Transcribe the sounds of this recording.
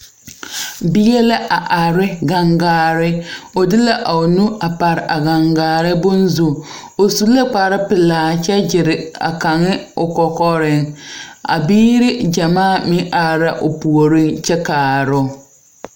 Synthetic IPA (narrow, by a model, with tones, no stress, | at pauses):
bɪ˦jɛ˦la˦ʔa˨ʔa˨ɾɪ˦ɡa˨ŋɡaː˦ɾɪ˦o˨dɪ˦la˦ʔa˨o˨nu˦a˨pa˨ɾɪ˨ʔa˨ɡa˨ŋɡaː˨ɾɪ˦bʊ˦nzu˨ | o˨su˦la˦k͡pa˨ɾɪ˦pɪ˨laː˨t͡ʃɛ˦d͡ʒɪ˨ɾɪ˨a̰˨ka˨ŋɪ˦ʊ˨kɔ˨kɔ˦ɾɪ˦ŋa̰˨biː˦ɾɪ˦d͡ʒa˨maː˦˨mɪ˦ʔa˨ɾa˦ʔo˨pu˨o˨ɾɪ˦nt͡ʃɛ˦kaː˨ɾʊ˦